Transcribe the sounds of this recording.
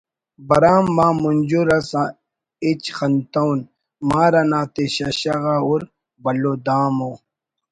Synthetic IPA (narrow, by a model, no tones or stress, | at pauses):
bɐɾaːmːaːmund͡ʑuɾɐsã | it͡ɕxɐnt̪awn | maːɾɐnaːt̪eɕɐɕɐɣauɾ | bɐlod̪aːmoː